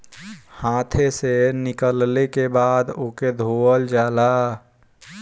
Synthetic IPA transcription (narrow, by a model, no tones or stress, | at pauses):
hãt̪ʰesenɪkəllekebad̪oked̪ʱoəld͡ʒaːla